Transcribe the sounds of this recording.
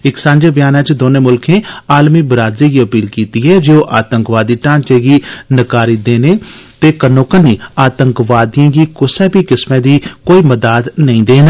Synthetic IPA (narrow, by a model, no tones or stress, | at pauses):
ɪksãːɲd͡ʒeːbjaːnaːt͡ʃd̪oːnẽːmʊlkʰẽːaːlmiːbəɾaːd̪ɾiːɡiːəpiːlkiːt̪iːɦɛːd͡ʒoːʔaːt̪əŋkʋaːd̪iːʈãːnt͡ʃeːɡiːnɪkaːɾiːd̪eːneːt̪eːkənoːkəniːaːt̪əŋkʋaːd̪ijãːɡiːkʊsɛːpiːkɪsmẽːd̪iːkoːiːməd̪aːd̪nəĩːd̪eːnː